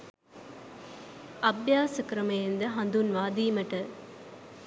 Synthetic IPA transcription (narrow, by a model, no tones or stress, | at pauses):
ɐbjaːsɐkɾɐmɐjɐnd̪ɐɦɐnd̪unʋaːd̪iːmɐʈɐ